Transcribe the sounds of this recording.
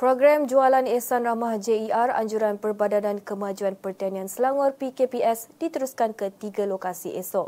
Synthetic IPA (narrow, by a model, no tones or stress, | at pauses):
pɾoɡɾamd͡ʒualanesanramahd͡ʒeiʔara̰ɲd͡ʒuɾanpərbadanankəmãd͡ʒuanpərt̪aniãnsəlaŋwɔrpikepiɛsd̥it̪əɾuskankət̪iɡalokasḭʔesɔʔ